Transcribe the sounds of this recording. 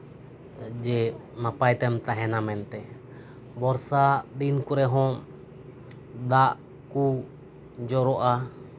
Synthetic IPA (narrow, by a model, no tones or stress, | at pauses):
d͡ʒɛnapajt̪ɛmt̪aɦɛnamɛnt̪ɛ | bɔɾsad̪inkuɾɛɦɔ̃ | d̪aʔ | ku | d͡ʒɔɾɔʔa